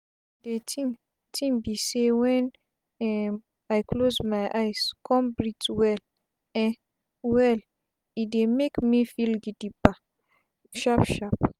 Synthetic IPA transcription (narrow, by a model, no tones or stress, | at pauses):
detĩ | tʰĩmbisewɛ̃n | ɛ | ajkʰlozmajʔajskʰɔ̃mbɹitwɛl | ɛ̃n | wɛl | idemekmifilɡidiba | ʃapʃap